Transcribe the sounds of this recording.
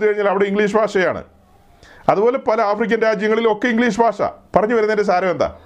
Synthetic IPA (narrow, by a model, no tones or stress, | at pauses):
ɨkɐɻiɲːaːlɐʋiɽe̞iŋɡɭiːʂ̬bʱaːʂɐja̰ːɳɨ̰ | ɐðubo̞ːle̞pɐlɐaːfrik̬ʲːɐnɾaːd͡ʑjɐŋːɐɭilo̞kːe̞iŋɡliːʂ̬bʱaːʂɐ̰pɐrɐɲːuʋɐɾunːɐendes̬aːɾɐmend̪ɐ̰